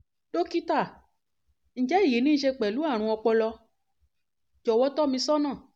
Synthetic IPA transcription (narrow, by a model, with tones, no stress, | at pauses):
do˦ki˦ta˦˨ | ñ̩˨d͡ʒɛ˨˦i˦˨ji˨˦nĩ˦ʃe˧k͡pɛ˨lu˨˦a˦˨ɾ̃ũ˧ɔ˧k͡pɔ˧lɔ˧ | d͡ʒɔ˨wɔ˧˦tɔ˦mĩ˧sɔ˦nã˦˨